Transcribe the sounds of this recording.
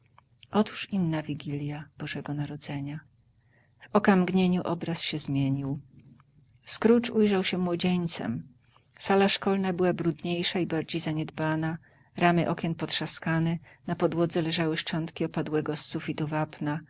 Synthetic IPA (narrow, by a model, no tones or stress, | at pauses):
ʔɔt̪u̥ʂinːavʲiɡʲilʲjab̥ɔʐɛɡɔnaɾɔd̪zɛɲa | vɔkamɡɲeɲuʔɔbɾasɕɛzmʲjeɲiw | skɾut͡ʂujʐawɕɛmwɔd͡ʑeɲt̪sɛ̰m | salaʂkɔlnabɘwabɾud̪ɲejʂaibaɾd͡ʑejzaɲɛd̪bana | ɾamɘʔɔkʲɛnpɔt̪ʂaskanɛnapɔd̪wɔd̪zɛlɛʐawɘʂt͡ʂɔnt̪kʲiɔpad̪wɛɡɔsːufʲit̪uvapna